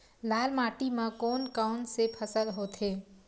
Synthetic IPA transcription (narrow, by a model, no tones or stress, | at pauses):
laːlmaːʈimãkoːnkaʊnsepʰəsəlɦoːt̪ʰɦeː